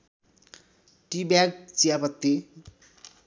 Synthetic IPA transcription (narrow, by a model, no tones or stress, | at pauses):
ʈibjaɡ̚t͡sijapʌt̪ːe